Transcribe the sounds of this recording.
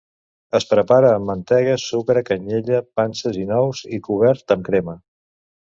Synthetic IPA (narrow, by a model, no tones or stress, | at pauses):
əspɾəpaɾəːmːənt̪ɛɣəsukɾəkəɲeʎəpansəzinɔwzikuβ̞ɛɾt̪əmkɾɛmə